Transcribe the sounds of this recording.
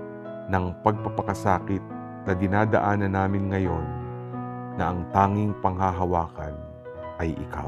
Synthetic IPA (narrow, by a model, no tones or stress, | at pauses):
nɐŋpɐɡ̚pɐpɐkɐsaːkɪt̪̚ | nɐd̪ɪnaːd̪ɐ̰ʔaːnɐnːaːmɪnŋɐjo̞nː | ɐʔɐŋt̪aːŋɪŋpɐŋɦaɦɐwaːkɐ̰n | ʔɐjʔɪ̰ka̰w